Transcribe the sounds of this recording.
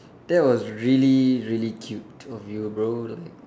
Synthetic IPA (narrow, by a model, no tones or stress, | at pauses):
d̥ɛt̚wɔsɹiliɹilikʰjuptʰɔfjubɹolaɪk̚